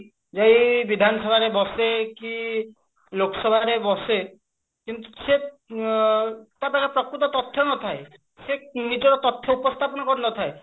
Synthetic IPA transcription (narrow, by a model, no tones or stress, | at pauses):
d͡ʒajbid̪ʱanɔsɔbʱaɾebɔseki | loksɔbʱaɾebɔse | kint̪u̥se | t̪apakʰapɾɔkɾut̪̬ɔt̪ɔt̪ʰjɔnɔt̪ʰae | senitɔɾɔt̪ɔt̪ʰːjɔupɔst̪ʰapɔnɔkɔɾinɔt̪ʰae